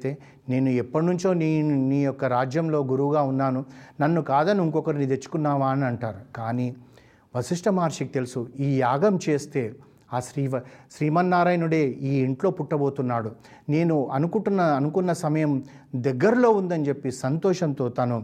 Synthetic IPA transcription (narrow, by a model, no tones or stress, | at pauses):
t̪eː | ne̞ːnuɛpːɐʈnuɲt͡ʃo̞ːnːniːjɔkːɐɾaːd͡ʒjɐmlo̞ːɡuɾuʋuɡaːunːaːnunɐnːukaːd̪ɐniiŋkɔkɐɾinid̪e̞t͡ʃːu̥kunːaːʋaːniɐɳʈaːɾukaːniː | ʋɐsiʂʈɐmaːɾʂikit̪e̞lusuiːjaːɡɐmt͡ʃe̞ːst̪e̞ː | aːʃɾiːɐʃɾiːmɐnːaːɾaːjnuɽe̞ːiːiɳʈlo̞ːpuʈːɐbo̞ːt̪unːaːɽu | ne̞ːnuɐnukuʈunːɐɐnukunːɐsɐmɐjɐm | d̪ɛɡːɐɾlo̞ːund̪ɐnt͡ʃe̞pːisɐnt̪ɔːʂɐnt̪o̞ːt̪ɐnu